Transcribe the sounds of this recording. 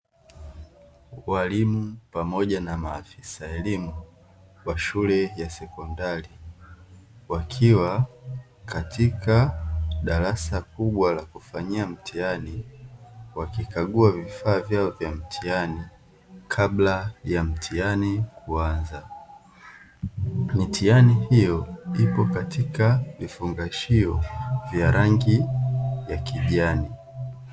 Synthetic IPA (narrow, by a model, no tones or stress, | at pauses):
walimupamɔʄanamaːfisaɛlimu | waʃulɛjasɛkɔndali | wakʰiwa | katikaɗaɾasakuɓwalakufaɲiam̩tʰiani | wakikaɠuavifaːvjaɔvjam̩tʰiani | kʰaɓlajam̩tʰianikuanza | mitʰianihijɔipɔkatʰikavifuŋɡaʃiɔvjaɾaŋɡijakiʄani